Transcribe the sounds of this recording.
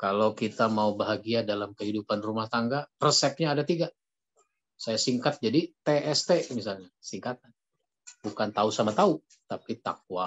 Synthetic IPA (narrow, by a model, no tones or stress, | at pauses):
kalowkit̪amaubaɦaɡiadalamkəɦidupanrumaht̪aŋɡaprsɛp̚ɲaːdat̪iɡa | sajasiŋkat̪̚d͡ʒadit̪eʔɛst̪emis̬alɲasiŋkat̪̚an | bukant̪ausamat̪au | t̪apit̪a̰k̚wa